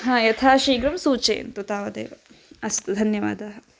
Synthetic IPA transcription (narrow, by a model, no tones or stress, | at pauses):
ɦãːjɐt̪ʰaːʃiːɡɾɐmsuːt͡ʃḛːnt̪ut̪aːʋɐd̪ḛːʋɐ | ɐst̪ɐd̪ʱɐnjɐʋa̰ːd̪aːɦɐ